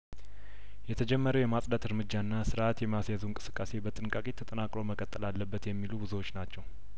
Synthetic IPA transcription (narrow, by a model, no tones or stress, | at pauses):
jɛt̪ʰəd͡ʒɛmːəɾəwjɛmasʼd̪at̪ɨɾmɨd͡ʒːanːasɨɾat̪jɛməjasjazunkʼɨ̥sɨ̥kʼːase̞bət̪ʼɨnkʼakʼet̪ʰət̪ʼənakʼɾo̞məkʼət̪ʼːəlalːəbːət̪jɛmːilubɨzuwot͡ʃːnat͡ʃːɛw